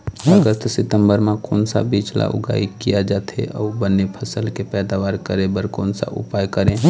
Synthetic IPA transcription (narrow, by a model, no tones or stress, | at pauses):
əɡəst̪ʰsɪt̪əmbəɾmẽkoːnsa̰biːt͡ʃla̰ʔʊ̰ɡa̰ːikijad͡ʒaːt̪ɦḛʔɔːbənːepʰəsəlkepɛːd̪aʋaːɾkəɾẽbəɾkoːnsa̰ʔʊ̰paːjkəɾẽ